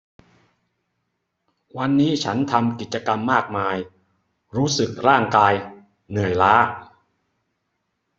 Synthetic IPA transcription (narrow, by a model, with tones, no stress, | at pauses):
wa˧nːiː˦˥t͡ɕʰa˦˥nt̪ʰa˧mki˨˩t̪̚t͡ɕa˧ka˧mːaː˥˩k̚maː˧j | ɾuː˦˥sɯ˨˩k̚ɾaː˥˩ŋkaː˧j | nɯ˨˩əjlaː˦˥